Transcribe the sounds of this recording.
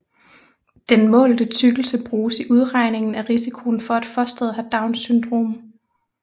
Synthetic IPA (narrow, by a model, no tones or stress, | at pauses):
d̥enmɔ̰̽ːld̥ət͡sʰyɡ̥l̩səb̥ʁuːsiʔuð̞ˠʁɑ̈ɪne̝ŋn̩æʁisikʰo̝ːnfɒ̽æd̥fɒ̽sd̥eð̞̩ˠɦæd̥ɑ̈ʊnsynd̥ʁo̝̰ːm